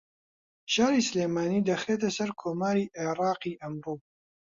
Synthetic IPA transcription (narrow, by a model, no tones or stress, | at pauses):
ʃaːɾiːsleːmaːniːd̪ɐxeːt̪ɐsɐɾkʰoːmaːɾiːʔeɾɑːqiːʔɐmɾoː